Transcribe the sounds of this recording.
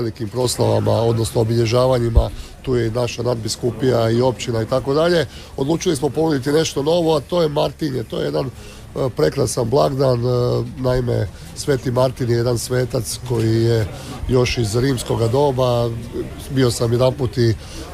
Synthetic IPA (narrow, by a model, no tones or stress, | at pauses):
elikimpɾo̞slˠaʋa̰mao̞d̪no̞snoobiʎe̞ʒaːʋaɲimat̪uːjenaʃanad̪̚biskupijaio̞pt͡ʃinait̪ako̞d̪aʎe̞ | o̞d̪luːt͡ʃilismo̞pomod̪it̪ine̞ʃt̪o̞no̞ʋo̞at̪o̞ːje̞maɾt̪iɲet̪o̞jee̞d̪an | pɾe̞kɾasanblˠaɡd̪anːaime̞̰ | sʋe̞ːt̪imaɾt̪injeje̞d̪ansʋe̞ːt̪at̪sko̞jije̞ | jo̞ʃizɾiːmsko̞ɡad̪o̞ba | bio̞saminaput̪i